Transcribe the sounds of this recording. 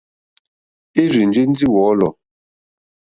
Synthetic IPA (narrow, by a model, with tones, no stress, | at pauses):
e˦ɾi˨n˨d͡ʒi˦n̩˦d͡zi˦wɔ˨˦lɔ˨